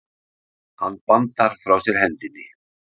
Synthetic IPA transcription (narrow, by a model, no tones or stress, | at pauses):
ha̰nːpant̪aɾ̥fɾawsjɛɾ̥hɛnt̪ɪnːɪ